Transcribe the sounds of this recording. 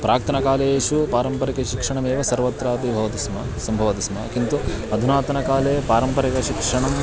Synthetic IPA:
pɾaːk̚t̪ʰɐnɐkaːleeːʃupaːɾɐmpɐɾikɐʃikʂɐɳɐmeːʋɐsɐɾʋɐt̪ɾaːt̪ibʱɐʋɐt̪ismɐ | sɐmbʱɐʋɐt̪ismɐ̰kint̪uɐd̪ʱunaːt̪ɐnɐkaːleːpaːɾɐmpɐɾikɐʃikʂɐɳɐm

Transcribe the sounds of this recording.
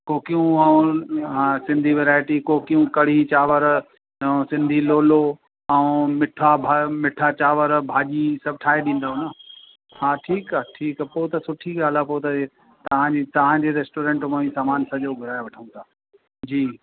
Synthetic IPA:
koːkijũɐũɦasɪ̃nd̪ʱiʋeːɾaːɪʈikoːkijũkɐɽ̤it͡ɕaːʋəɾ | sɪ̃nd̪ʱiloːlo | ɐ̃ũmɪʈʰabʱamɪʈʰat͡ɕaːʋəɾbʱaːʄisɐb̚ʱʈʰaːeɗĩːn̆d̪aːɦũnɐ | hãːʈʰiːkaʈʰiːkpoːɦʊt̪ɐsʊʈʰiɡaːl̤apoːt̪ɐ | t̪ɐʋ̤ãd͡ʑiːt̪ɐʋ̤ãd͡ʑeɾeːsʈoːɾẽːɳʈmoːĩsaːmaːnsɐʄoɡʱʊɾaːjeʋɐʈʰəũt̪ʰaː | d͡ʑiː

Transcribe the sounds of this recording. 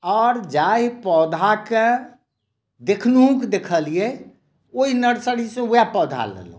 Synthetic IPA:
ɔːɾd͡ʒaipɔd̪ʱake | d̪ekʰnuɦũked̪ekʰəlijɛ | oinəɾsəɽisẽujapɔd̪ʱa̰lḛlṵ̃

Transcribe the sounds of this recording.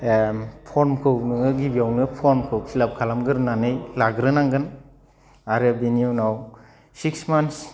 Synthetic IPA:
pʰɔɾmkʰɯwnɯŋɯɡibijawnɯpʰɔɾmkʰɯwsilap̚kʰalamɡɯɾnanɯjlaɡɾɯnaŋɡɯn | aɾɯbeniunaw | siksmans

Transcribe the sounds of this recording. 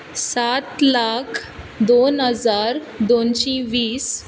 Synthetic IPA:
sat̪lakʰ | d̪onɦəd͡zaɾ | d̪onɕĩʋiːs

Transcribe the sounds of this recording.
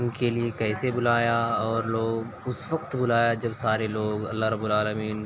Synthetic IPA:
nkeliekɛːsebʊlaːjaɔːɾloːɡ | ʊsʋɐqt̪bʊlaːjad͡ʒɐbsaːɾeloːɡɐ̰lːaɦɾɐbːʊlaːləmiːn

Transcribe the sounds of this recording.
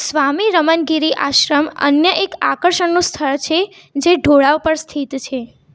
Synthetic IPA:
sʋamiɾəmənɡiɾiʔa̰ʃɾəmə̰njəʔeka̰kəɾʃəɳnũst̪ʰəɭt͡ʃʰe | d͡ʒeɖʱoɭaʋpəɾst̪ʰit̪t͡ʃʰe

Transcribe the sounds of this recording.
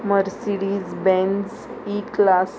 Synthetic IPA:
məɾsiɽiːd͡zbɛ̃nz | iklas

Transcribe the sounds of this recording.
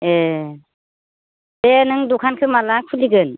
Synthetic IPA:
e | denɯŋdukʰankʰɯmalakʰuliɡɯn

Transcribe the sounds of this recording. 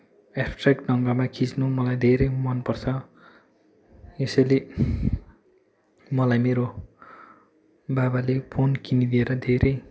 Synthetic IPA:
esʈrakɖʌŋɡamakʰit͡snumʌlajd̪ʱeɾʌjmʌnpʌrt͡sʰʌ | esʌjle | mʌlajmeɾo | babalepʰonkinid̪ieɾʌd̪ʱeɾʌj

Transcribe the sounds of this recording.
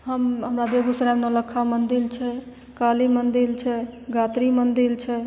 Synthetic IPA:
ɦəmɦəmɾabeɡusəɾamnələkʰːamənd̪ilt͡ʃʰɛ | kalimənd̪ilt͡ʃʰɛɡat̪ɾimənd̪ilt͡ʃʰɛ

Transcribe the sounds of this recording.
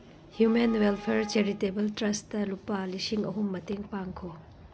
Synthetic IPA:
hjumenwelpʰeɾt͡ʃeɾitebɐltɾɐstɐlupːɐlisiŋɐ̰ɦumːɐteŋpaŋkʰo

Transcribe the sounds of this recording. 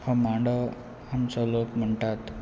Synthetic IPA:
həmaɳɖə | amsɔlopm̤əɳʈ̪at̪

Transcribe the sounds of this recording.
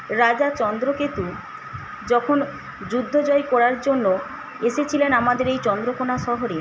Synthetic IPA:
ɾad͡ʑat͡ɕɔnd̪ɾoket̪u | d͡ʑɔkʰon | d͡ʑud̪ʱːod͡ʑɔjkɔɾaɾd͡ʑonːo | eʃet͡ɕʰilenamad̪eɾejt͡ɕɔnd̪ɾokonaʃɔɦoɾeɾ

